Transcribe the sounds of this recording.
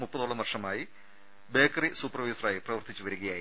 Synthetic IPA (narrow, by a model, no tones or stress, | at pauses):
mupːɐðoːɭːɐmʋɐrʂɐmaːji | be̞ːkːɐrisuːpːrɐʋɐjsɐraːjiprɐʋɐrt̪it͡ɕːuʋɐɾuɣɐjaːji